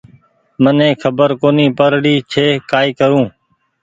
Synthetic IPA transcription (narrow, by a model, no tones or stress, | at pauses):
mənẽːkʰəbəɾkoːniːpəɾɽiːt͡ʃʰeːkaːiːkəɾũː